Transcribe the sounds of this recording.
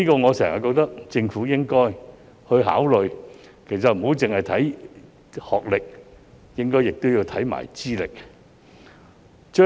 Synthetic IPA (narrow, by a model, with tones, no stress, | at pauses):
iː˥kɔː˧ŋɔː˨˧sɛː˨˩ŋɐ̰˨˩kɔː˧k̚t̪ɐ˥k̚t͡sɪ˧ŋfuː˨˥jɪ˥ŋkɔː˥j | hɵ˧ɦa̰ː˨˥wlɵ˨ɥ | kʰe˨˩js̬ɐ˨t̚m̩˨˩ho˨˥wt͡sɪ˨ŋhɐ˨˩jt̪ʰɐ˨˥j | hɔː˨k̚lɪ˨k̚ | jɪ˥ŋkɔː˥jɪ˨k̚t̪o˥wjiː˧wt̪ʰɐ˨˥jma̰ː˨˩jt͡siː˥lɪ˨k̚ | t͡ʃœː˥